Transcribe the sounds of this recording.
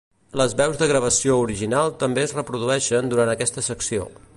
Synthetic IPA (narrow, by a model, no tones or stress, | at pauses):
ləzβɛwzðəɣɾəβ̞əsiouɾiʒinalˠt̪əmbeəzrəpɾuðuɛʃənd̪uɾant̪əkɛst̪əsəksio̰